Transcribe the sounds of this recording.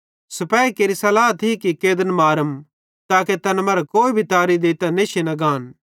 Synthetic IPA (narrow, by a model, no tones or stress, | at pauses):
sɐpɛːikeːɾisɐlaːt̪ʰikikeːd̪ənmaːɾəm | t̪aːket̪ɐnmɐɾɛkoːibʱit̪aːɾid̪eːt̪ɐneʃinɐɡaːn